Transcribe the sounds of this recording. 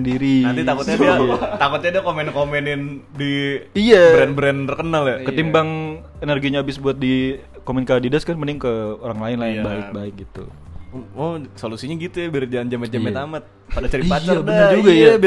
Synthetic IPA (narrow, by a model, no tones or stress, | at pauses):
ndiɾinant̪it̪akʊt̪̚at̪akʊt̪̚ɲadakomɛnkomɛnɪndiijaɾɛnbɾɛnrkənaljakəimbaŋ | enərɡiɲaːbɪsbuat̪̚di | komɛnkadidaskanpənɪŋkəoɾaŋlaɪnlahjanbaɪk̚baɪk̚ɡit̪ṵ | ɔsolusiɲaɡit̪ujabiɾd͡ʒand͡ʒamɛt̪̚d͡ʒamɛt̪amat̪̚ | padat͡ʃəɾiipat͡ʃaabdad͡ʒuɡajab